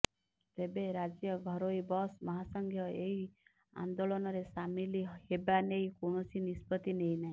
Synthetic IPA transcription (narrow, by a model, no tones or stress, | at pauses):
t̪ebeɾad͡ʒjɔɡʱɔɾoibɔsmɔɦasɔŋɡʱjɔeɦi | a̰nd̪olɔnɔɾesamilihebaneikoɳ̃ɔsinispɔt̪ineinaɦĩ